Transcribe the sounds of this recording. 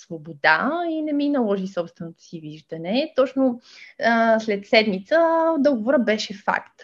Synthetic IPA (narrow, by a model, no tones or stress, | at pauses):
svobod̪ainɛminɐlˠɔʒisɔpst̪vɛnot̪o̥siviʒd̪ənɛt̪ɔt͡ʃno | slɛt̪sɛd̪mit̪səd̪ɔɡovoɾəbɛʃɛfa̰kt̪